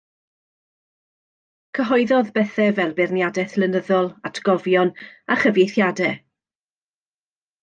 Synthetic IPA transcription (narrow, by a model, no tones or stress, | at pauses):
kʰəɦɔɨðɔðbɛθɛvɛlˠbɪrnjadɛθlˠənəðɔlˠatʰɡ̥ɔvjɔnaχəvjejθjadɛ